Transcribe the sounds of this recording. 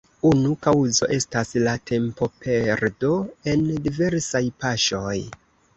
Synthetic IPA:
unukawzo̞̰ʔe̞staslatʰe̞mpo̞pʰe̞ɾdo̞e̞ndive̞ɾsajpaʃo̞j

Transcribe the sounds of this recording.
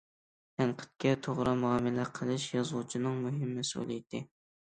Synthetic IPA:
t̪ʰænqʰə̥t̪̚kʲɛt̪ʰoʁɾɨmuɑːmɪlɛqʰəlˠɨʃjɑzlˠut͡ʃʰinɨŋmuɦɪmːɛsɪṵlˠḭt̪ʰɪ

